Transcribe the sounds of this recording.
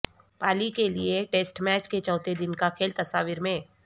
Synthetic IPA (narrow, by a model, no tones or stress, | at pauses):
paːlikelieʈeːsʈmɛːt͡ʃket͡ʃɔːt̪ed̪ɪnkakʰeːlt̪ɐsaːʋiɾmẽː